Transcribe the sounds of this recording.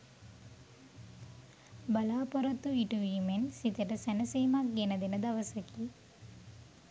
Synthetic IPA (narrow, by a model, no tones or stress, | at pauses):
bɐlaːpɐɾɐt̪ːuʋiʈːuʋiːmensit̪ːɐʈːɐsɐnɐsejmaːk̚ɡeːnɐd̪enɐd̪ɐʋɐsɐki